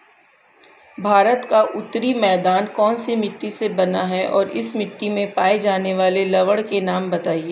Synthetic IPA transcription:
bʱaːɾət̪kaʔʊt̪ɾimɛːd̪aːnkɔːnsimɪʈːisebɐnaɦɛʔɔ̰ːɾɪ̰smɪʈːimẽpaːed͡ʒaːneʋaːlelɐʋəɽkenaːmbɐt̪aːieː

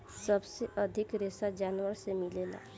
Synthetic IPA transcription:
səbseʔəd̪ʱikɾesad͡ʒanwəɾsemilela̰

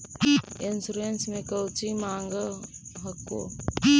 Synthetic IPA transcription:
ensuɾensmẽkɐwt͡ʃimaːŋɡəɦɐkːo̰

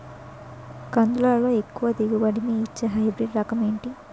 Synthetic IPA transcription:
kɐnd̪ulaːlo̞ːe̞kːuʋɐd̪iɡubɐɽimiːt͡ʃːeɦɐjbɾeːɖɾɐkɐmeːɳʈi

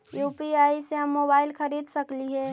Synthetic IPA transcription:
juːpiaːiseɦəmːobaːɪlkʰəɾiːd̪ʱsəkliɦɛ

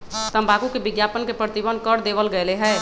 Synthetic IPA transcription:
t̪əmbakukebɪɡjapənkepɾət̪ibənkəɾd̪eʋəlɡəeleɦɛ

